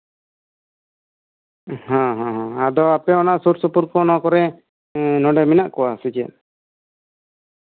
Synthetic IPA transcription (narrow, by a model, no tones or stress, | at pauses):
hãɦãɦãad̪ɔapɛɔnaʔsuɾsupuɾkɔnɔkɔɾɛ | nɔ̃ɖɛminaʔkɔwasid͡ʒɛ̰